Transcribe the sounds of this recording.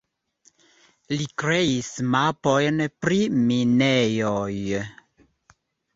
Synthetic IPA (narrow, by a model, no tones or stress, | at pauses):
likɾeismapɔjnpɾiminɛjɔj